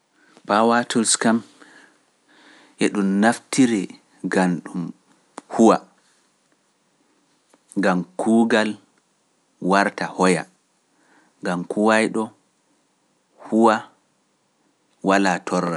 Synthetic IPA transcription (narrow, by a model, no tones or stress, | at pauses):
pawatulskam | ʔɛɗumnaftiɾɛ | ɡanɗum | huwa | ŋɡamkʰuːɡal | waɾtahɔja̰ | ŋɡamkuwajɗɔ | huwa | walatʰɔrːa